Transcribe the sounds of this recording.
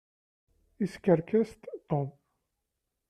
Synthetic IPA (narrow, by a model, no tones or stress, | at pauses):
iskəɾkæst̪t̪om